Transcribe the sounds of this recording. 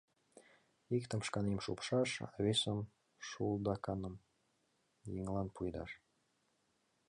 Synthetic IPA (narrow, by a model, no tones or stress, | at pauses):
ikt̪ə̆mʃkɑnimʃṵpʃɑʃɑ̰βesəm | ʃulˠd̪ɑkɑnɤ̆m | jiŋlˠɑnpʰujd̪ɑ̰ʃ